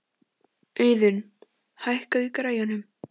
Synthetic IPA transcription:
œːɥðʏn | hajhkaðʏkɾaːjanʏm

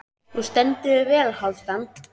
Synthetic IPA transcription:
θust̪ɛnt̪ɪðɪvɛːlhawt̪ant̪

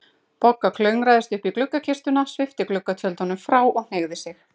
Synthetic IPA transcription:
pɔkːakʰlœɥŋɾaːjðɪst̪ʏhpiklʏkːacʰɪrst̪ʏnasvɪft̪ɪklʏkːat̪ʰjœlt̪ɔnʏmfɾaːwɔɣn̥eːɣðɪsɪx

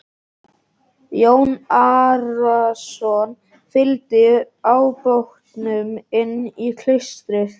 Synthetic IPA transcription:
jownaɾasɔn | fɪlt̪ɪ | aːwpowht̪nʏmɪnːikʰl̥eɥst̪ɾɪθ

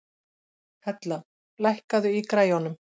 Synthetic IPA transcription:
hʰɛt̪la | lajhkaðʏikɾaːjɔnʏm

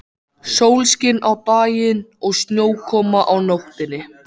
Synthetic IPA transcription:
sowlscɪnawpaːjɪnɔɣst̪njoːwkʰɔːmaʔawnowht̪ɪnːɪ

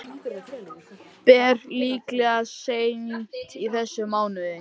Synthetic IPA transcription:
pɛɾliːklɛɣaseːjmint̪iθɛsːʏmaːwnʏðɪ

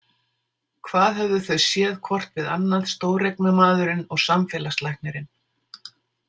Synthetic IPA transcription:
kʰvaːðɦɛvðʏθœɥsjɛːðkʰvɔr̥t̪vɪða̰nːaðst̪oːwrejknʏmaːðʏɾɪnɔɣsamfɛːlast̪lajhknɛɾɪn

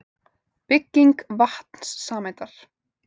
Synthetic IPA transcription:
pɪcːiŋkvaht̪n̥sːaːmejt̪aɾ̥

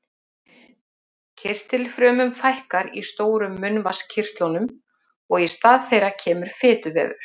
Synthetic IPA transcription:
cʰɪr̥t̪ɪlfɾœːmʏmfajhkaɾist̪oːwɾʏmːʏnvascʰɪr̥t̪lɔnʏm | ɔɣɛst̪aːðθejɾacʰɛːmʏɾ̥fɪːt̪ʏvɛ̰ːvʏ̰ɾ̥

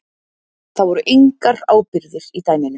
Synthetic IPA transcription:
θaðvɔɾʏʔeŋkaɾaːwpɪɾðɪɾ̥it̪aːjmɪnʏ

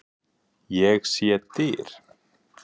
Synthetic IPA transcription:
jɛɣsjɛt̪ɪɾ̥

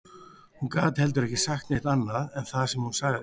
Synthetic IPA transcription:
hunkaːt̪hɛlt̪̬ʏɾɛhcɪsaxt̪nɪht̪anːaðɛnθaðsɛmhunsaːɣ

